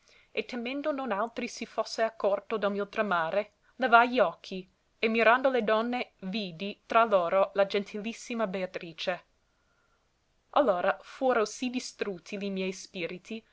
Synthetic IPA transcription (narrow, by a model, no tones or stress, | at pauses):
et̪ːemend̪ononalt̪ɾisifosːeakʰːɔrt̪od̪almiot̪ɾamaːɾe | levajliɔkʰːi | emiɾand̪oled̪ɔnːeviːd̪it̪ɾaloːɾolad͡ʒent̪ʰilisːimabeat̪ɾiːt͡ʃe | ʔalːoːɾafuːɾosid̪ist̪ɾut̪ʰːilimjɛjspiːɾit̪ʰi